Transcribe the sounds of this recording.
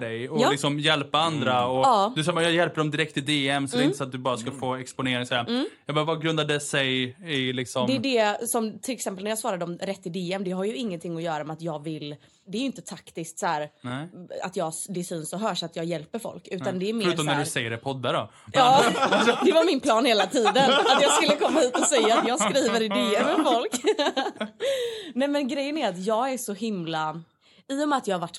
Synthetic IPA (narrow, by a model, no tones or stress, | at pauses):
ɖɛjɔɪksɔmjɛlpaand̪ɾaɔɑːd̪ɵsɑmajɑjɛlpəɖɔmd̪ɪɾɛkt̪ɪd̪eːɛmsɛd̪ɛɾɪnəsɔat̪̚d̪ɵbɑːɾaskafoːɛkspʊneːɾɪŋsɔæːɾjɑːɡbɑːɾvaɡɾɵnd̪aɖɛsɛjɪlɪksɔmd̪ɛːɖɛsɔmt̪ʰɪlɛksɛmpəlæɾjɑːsvɑːɾad̪əɔmɾɛt̪ːɪd̪eːɛmd̪ɛɦaɾjɵɪŋːənt̪ɪŋːɔjœːɾamɛat̪jɑːɡvɪlː | d̪ɛæɾjʏɪnt̪ət̪ʰakt̪ɪsk̚t̪sæːɾnɛa̰t̪jɑːd̪ɛsynsɔɦœːʂat̪jɑːɡjɛlpəɾfɔ̰lkʉ̟ːt̪and̪ɛːɾmeːɾʉːɾt̪ɔmndɵsɛjːəɾɛpʰɔd̪ːaɖɔ̰ | jɑːd̪ɛvaɾmɪnpʰlɑːnheːlat̪ʰiːd̪ənat̪jɑːɡskɵlːəkʰɔmːahiːt̪ɔsɛjːaːt̪jɑːɡskɾiːvəɾɪd̪eːɛmfɔlk | nɛmɛnɡɾɛjːənæɾat̪jɑːɡæɾʂɔɦɪmla | ɪʊmɛat̪jɑːhavaʈː